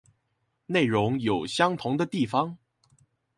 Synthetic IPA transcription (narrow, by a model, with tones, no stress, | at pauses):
ne˥˩ɪɻʊ˧˥ŋjo˨˩ʊɕjɑ˥ŋt̪ʰʊ˧˥ŋd̪ə˧t̪i˥˩fɑ˧ŋ